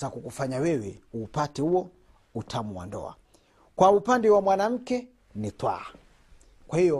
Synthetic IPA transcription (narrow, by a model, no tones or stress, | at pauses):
akukufaɲawɛwɛuːpatɛhuɔ | utʰamuwa̰ndɔ̰a̰ | kwaupandɛwamwanam̩kɛ | nit̪wa̰ | kwahijɔ